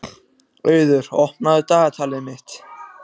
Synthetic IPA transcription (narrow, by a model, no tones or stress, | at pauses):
œɥðʏɾ̥ɔhpnaðʏt̪aːɣat̪ʰaːlɪðmɪht̪